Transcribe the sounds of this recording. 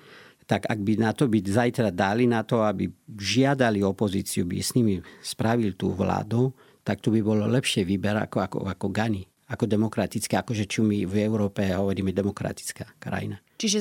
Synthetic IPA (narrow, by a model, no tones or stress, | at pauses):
t̪aɡa̰ɡ̚binat̪ɔbizajt̪ɾad̪alinat̪ɔabḭʒɪad̪aliɔpɔziːt͡siubḭsɲimispɾaʋilt̪ṵːʋla̰ːd̪u | t̪ak̚t̪ubibɔlɔlɛpʃɪɛʋiːbɛɾa̰kɔa̰kɔ̰akɔɡani | akɔd̪ɛmɔkɾat̪it͡skɛakɔʒɛt͡ʃumivɛʊɾɔːpɛɦɔʋɔɾiːmɛd̪ɛmɔkɾa̰t̪i̥t͡skaːkɾa̰jḭna | t͡ʃiʒɛ